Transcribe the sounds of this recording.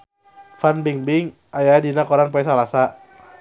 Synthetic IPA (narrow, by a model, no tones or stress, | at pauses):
fanbiŋbɪŋ | ʔajadinakɔɾanp̬ɔɛs̬alasa